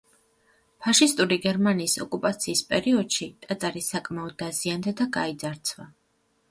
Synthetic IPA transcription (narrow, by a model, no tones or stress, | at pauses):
pʰaʃist̪ʼuɾiɡɛɾmaniːsɔkʼupʼat̪sʰiːspʼɛɾiɔd̪̥ʃit̪ʼat̪sʼaɾisakʼmaɔd̪ːaziand̪ad̪aɡaid̪zaɾt̪sʰva